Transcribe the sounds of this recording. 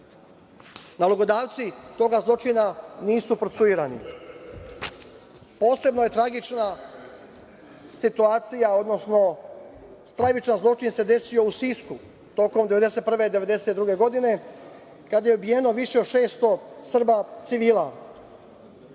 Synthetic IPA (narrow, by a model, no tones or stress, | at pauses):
naloɡo̞d̪aːʋt̪sit̪o̞ːɡazlˠo̞t͡ʃinaniːsupɾot̪suiɾanḭ | po̞ːse̞bno̞je̞t̪ɾaɡit͡ʃna | sit̪uaːt̪sijao̞d̪no̞sno̞ | st̪ɾaʋit͡ʃanzlˠo̞t͡ʃinse̞d̪e̞sijo̞usisku | t̪o̞ko̞md̪e̞ʋe̞d̪e̞se̞t̪̚pr̩ʋe̞id̪e̞ʋe̞d̪e̞set̪d̪ɾuɡe̞ɡo̞d̪ine̞ | kad̪aje̞ubijeno̞ʋiʃe̞od̪ʃe̞ːst̪o̞sr̩bat̪siʋiːla